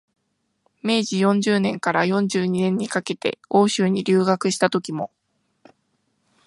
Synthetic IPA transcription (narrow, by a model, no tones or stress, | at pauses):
me̞ːʑijõ̞ɲ̟d͡ʑɨːnẽ̞ŋkaɾajõ̞ɲ̟d͡ʑɨːɲ̟inẽ̞ɲ̟ːikake̞t̪e̞̰o̞ːɕɨːɲ̟iɾʲɨːɡakɯ̟ɕi̥t̪at̪o̞kʲimo̞